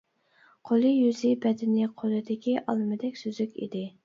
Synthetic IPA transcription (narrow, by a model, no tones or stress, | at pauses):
qʰolˠɨjyzɪbɛd̪ɪnɪqʰolˠɨd̪ɪkʲiʔɑlˠɨmɨd̪ɛkʲsøzykʲḭd̪ɪ